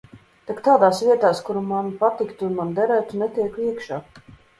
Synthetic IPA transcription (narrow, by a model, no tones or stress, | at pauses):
t̪akt̪aːd̪aːsvʲiɛt̪aːskuɾumanpat̪ikt̪unmand̪ɛɾæːt̪unɛt̪ʲiɛkiɛkʃaː